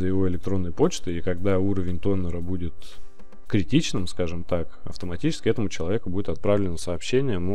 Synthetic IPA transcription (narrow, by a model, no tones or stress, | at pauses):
zəjɪvo̞ɪlʲɪk̚t̪ɾo̞nːəjpo̞t͡ɕt̪ɨikɐɡd̪auɾəvʲɪnʲt̪o̞nːəɾəbudʲɪt̪ | kɾʲɪtʲit͡ɕnɨmskaʐɨmt̪akɐ̰ft̪əmɐtʲit͡ɕɪ̥skʲɪɛt̪əmʊt͡ɕɪlˠɐvʲe̞kʊbudʲɪt̪ɐt̪̚pɾavlʲɪnəsəːpɕːenʲɪjəm